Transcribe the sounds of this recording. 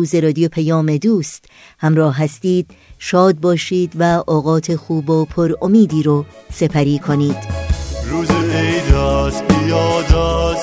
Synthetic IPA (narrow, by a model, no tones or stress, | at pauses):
uːze̞ɾɒːd̪ijopʰæjɒːme̞d̪uːst̪ | hæmɾɒːhɦæst̪iːd̪̥ʃɒːd̪̚bɒːʃiːd̪væʔɒːɣɒːt̪ʰexuːbopʰoɾomiːd̪iːɾose̞pʰæɾiːkʰo̞niːd̪̥ɾuːzeejd̪æsbijɒːd̪æs